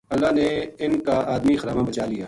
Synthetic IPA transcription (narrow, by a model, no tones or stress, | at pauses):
ɐlːaːneɪnkaʔaːd̪mixɐɾaːmãbɐt͡ʃaːlijaː